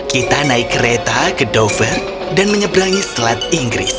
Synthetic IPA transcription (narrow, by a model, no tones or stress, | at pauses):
kit̪anaɪkːəɾet̪akədɔfər | danməɲəbɾaŋislat̪̚iŋɡɾɪ̰s